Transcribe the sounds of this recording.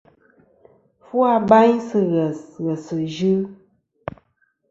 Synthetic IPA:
fu˦a˦ba˦ɲsɨ˦ɣə˨sɣə˨sɨ˨ʒɨ˦

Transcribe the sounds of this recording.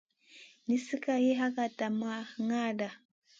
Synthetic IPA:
ni˦si˦ka˨ji˦ɦa˦ka˨ta˨ma˦ŋa˦da˨

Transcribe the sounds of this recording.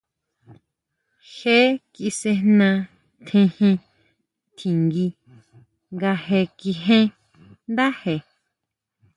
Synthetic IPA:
he˦ki˧se˧nã˧ | t̪ʰẽ˧hĩ˧ | t̪ʰĩ˨ŋɡi˧ | ŋɡa˧he˧ki˧ɦẽ˦ | nd̪a˦he˧˨

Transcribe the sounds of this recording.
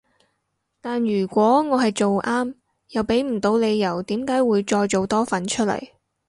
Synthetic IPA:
t̪aː˨njyː˨˩kʷɔː˨˥ŋɔː˨˧ɦɐ˨jt͡ʃo˨wʔaː˥m | jɐ˨˩wpe˨˥jm̩˨˩t̪o˧wle˨˧jːɐ˨˩wt̪iː˨˥mkaː˨˥jwuː˨˧jt͡ʃɔː˧jt͡ʃo˨wt̪ɔː˥fɐ˨˥nt͡ʃʰɵ˥t̚lɐ̰˨˩j

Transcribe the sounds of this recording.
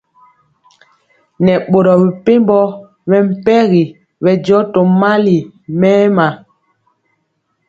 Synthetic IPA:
nɛ˨ɓo˨ɾɔ˨bi˨pe˦mbɔ˦ | mɛ˨m̩˦˨pɛ˦ɣi˨ | βɛ˨d͡ʒɔ˦to˨ma˦li˨mɛː˦ma˨

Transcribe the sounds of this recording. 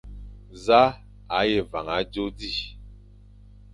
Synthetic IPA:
za˦ | a˨˦je˨va˨ŋa˨˦d͡ʒo˦di˦˨

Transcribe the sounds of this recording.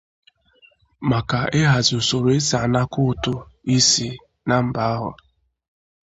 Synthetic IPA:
ma˨ka˨e˦ɦa˨zʊ˨so˨ɾo˨e˦sa˨na˦kʊ˦tʊ˦i˦si˦ | na˦m̩˨ba˦a˦ɦʊ̰˨

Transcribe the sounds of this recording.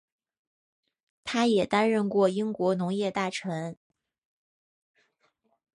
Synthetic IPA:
t̪ʰa˥jɛ˨˩t̪a˥nɻə˥˧nkwɔ˥˩i˥ŋkwɔ˧˥nʊ˧˥ŋjɛ˥˧t̪a˥˩ʈ͡ʂʰə˧˥n

